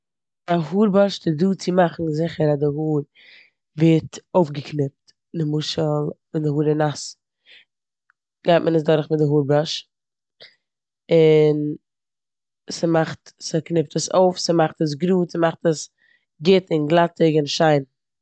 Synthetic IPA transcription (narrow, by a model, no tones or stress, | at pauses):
ahuːɾbaʃtɪduːt͡sɪmaχn̩zɪχəɾadɪhuːɾ | vɛtoʊfɡəknɪp̚t | nɪmuʃəlˠmɪndɪhuːɾɪnas | ɡ̥aɪt̚mʔənəsdɔɾχmɪtdɪɦuːɾbaʃ | ɪn | səmaχtsɪknɪp̚təsoʊfsəmaχtəs̬ɡɾuːtsmaχtəs | ɡɪtɪnɡlˠatɪɡɪnʃaɪn